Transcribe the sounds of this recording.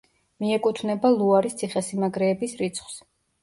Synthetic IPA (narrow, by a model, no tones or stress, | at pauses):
miɛkʼut̪ʰvnɛbalˠuaɾist̪sʰiχɛsimaɡɾɛːbisɾit̪sʰχws